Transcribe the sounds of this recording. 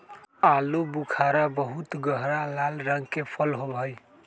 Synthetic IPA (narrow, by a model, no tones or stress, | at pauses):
alobukʰaɾabəɦut̪ɡəɦɾalalɾəŋkepʰəlɦobʱəj